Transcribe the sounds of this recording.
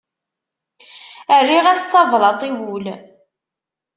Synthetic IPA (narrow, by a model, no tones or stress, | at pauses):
ərːiʁæst̪ːɑvɾˤɑt̪ˤiwul